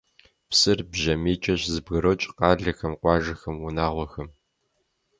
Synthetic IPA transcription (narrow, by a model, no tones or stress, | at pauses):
psɨrbʑɐmeːt͡ʃʼɐɕzɨbɣɨɾoːt͡ʃʼqɑːɮɐxɐmqʷɑːʒɐxɐmwunaːʁʷɔxɐm